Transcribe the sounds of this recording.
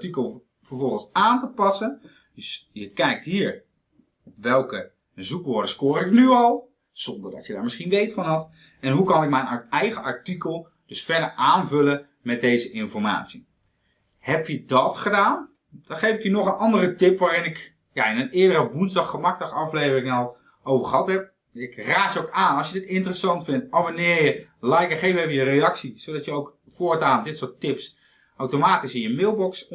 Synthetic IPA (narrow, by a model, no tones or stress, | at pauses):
tikəlˠ | vəɹvɔlˠχən̩saːntəpɑsən | dəsjəkɛjk̚tɦiːɹ | ɔpʋɛlˠkə | zukʋʊːɹdəskʊːrɪknyɑlˠ | z̥ɔndəɹdɑ̰tjədaːɹmɪsχinʋejtfɑnɦɑt | ɛnɦukɑnɪkmɛjnɛjχəɑɹtikəlˠ | d̥ɵsfɛɹdəɹʔaːnvɵlə | mɛt̚dejzəʔɪnfɔɹma̰ːtsi | hɛpjədɑtχədaːn | d̥ɔnχejfɪkjənɔχənɑndərətɪpʋaːrɪnɪk | jaɪnənɪədərəʋunzdɑχːəmɑk̚dɑχɑflejvərɪŋɔlˠ | owvəχəɦɑtɦɛp̚ | ɪkraːtjəokaːnɑlˠsjədɪtɪntərəsɑntfɪntabonɪːɹjəlajkəχejvəɛvəjərejɑksisodɑtjəowk | foːɹtaːndɪtsʊːɹtɪps | ʔawtomaːtisɪnjəmɪːlˠbɔks